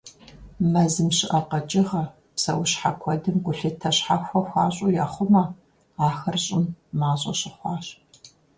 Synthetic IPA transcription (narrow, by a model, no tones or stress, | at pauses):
mɐzɨmɕɪʔɐqɐt͡ʃʼɪʁɐ | psɐwɕħa̰kʷʰɔdɨmɡʷʊɬɨtʰɐɕħaxʷɔxʷɑːɕʼʊjaːχʷʊmɐ | aːxɐrɕʼɪmːaːɕʼɐɕɪχʷɑːɕʼ